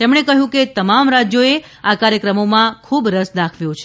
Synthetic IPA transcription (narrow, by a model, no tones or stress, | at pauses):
t̪emɳekəɦjũket̪əmamɾad͡ʒjoe | akaɾjəkɾəmomãkʰubɾəsd̪akʰʋjũt͡ʃʰe